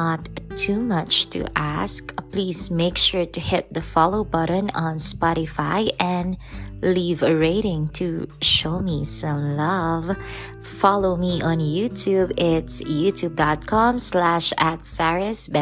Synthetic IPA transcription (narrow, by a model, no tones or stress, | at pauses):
ət̪ʰːumʌt͡ʃt̪ʰṵʔæskpliːzmeɪkʃʊɹtɨhɪt̪̚d̪əfɑloʊbʌɾə̃n̩ɔ̃nspɑɾɨfaɪʔɛ̃nlivəɹeɪɾɪ̃ŋtʰuʃoʊmisʌ̃mlʌv | fɑloʊmiʔə̃njutʰubɪtsjʉtʰub̚dɑt̪̚kʰɑ̃mslæʃæt̪sæɹɨsbɛ